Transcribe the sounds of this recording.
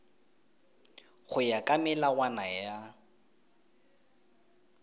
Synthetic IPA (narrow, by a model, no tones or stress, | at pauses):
χʊjakʼamɛlawanaja